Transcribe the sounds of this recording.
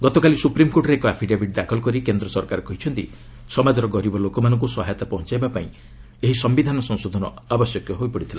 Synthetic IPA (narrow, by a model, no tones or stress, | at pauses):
ɡɔt̪ɔkalisupɾimkoʈɔɾeːkɔapʰiɖebʱiɖ̚d̪akʰɔlɔkɔɾikend̪ɾɔsɔɾkaɾɔkɔɦit͡ʃʰɔnt̪ḭ | sɔmad͡ʒɔɾɔɡɔɾibɔlokɔmanɔŋkusɔɦajɔt̪apɔɦɔ̃t͡ʃajbapaĩ | eɦisɔmbid̪ʱanɔsɔŋsod̪ʱɔnɔabɔsjɔkjɔɦojpɔɽit̪ʰila